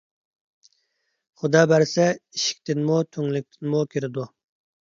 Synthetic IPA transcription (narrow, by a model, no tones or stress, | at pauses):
χud̪ɑːbæɾsɛiʃi̥k̚ʲt̪ʰɪnmut̪ʰøŋlɪk̚ʲt̪ʰɪnmukʲʰiɾɪd̪u